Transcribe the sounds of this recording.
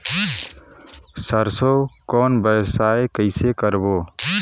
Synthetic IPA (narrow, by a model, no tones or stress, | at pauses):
səɾsokɔːnbəjsaekəɪsekəɾbo